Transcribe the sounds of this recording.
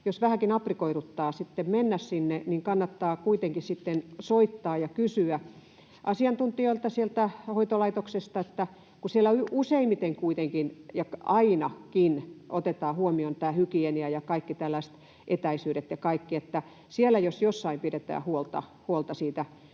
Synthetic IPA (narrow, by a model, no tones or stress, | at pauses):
josʋæhækinɑprikoiɾut̪ːɑːsit̪ːemmenːæssinːeniŋkɑnːɑt̪ːɑːkuit̪eŋkissit̪ːensoit̪ːɑːjɑkysyæ | ʔɑsiɑnt̪unt̪ioilt̪ɑsielt̪æhoit̪olɑit̪oksest̪ɑet̪ːæ | kusielːæyuseimit̪eŋkuit̪eŋkinjɑkɑinɑkinʔot̪et̪ɑːhuomiont̪æːhykieniæjɑkɑikːit̪ælːæist̪ | ʔet̪æisyːɾet̪jɑkɑikːiet̪ːæ | sielːˑæjosjosːɑimpidet̪æ̰ːhuolt̪ɑ̰huolt̪ɑsiːt̪æ